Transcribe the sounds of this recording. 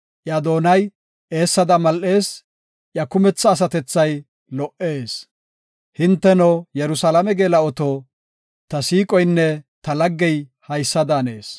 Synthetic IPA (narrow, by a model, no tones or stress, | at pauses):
ʔjad̪o̞ːnɐj | ʔe̞ːsːɐd̪ɐmɐlʔe̞ːs | ʔjɐkʊmɛt͡sːɐːs̬ɐt̪ɛt͡sːɐj | lɔʔe̞ːs | hɪnt̪ːɛnɔjɛɾʊsɐlɐmɛɡeːlɐɔt̪oː | t̪ɐsiːkʼɔjnːɛt̪ɐlɐɡːɛjhɐjsːɐd̪aːne̞ːs